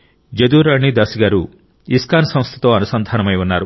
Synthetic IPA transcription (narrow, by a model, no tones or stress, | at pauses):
d͡ʒed̪uɾaɽ̃id̪asiɡaɾu | iskansɔ̃wst̪ʰi̥t̪ɔanusɔnd̪ʱanɔmajbɔnaɾu